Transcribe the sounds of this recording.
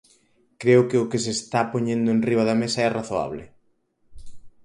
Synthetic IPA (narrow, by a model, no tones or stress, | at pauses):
kɾeʊkɪʊkɪsest̪apoɲẽnd̪ʊenriβ̞ɐðɐmesɐɛraθoa̰βlɪ̰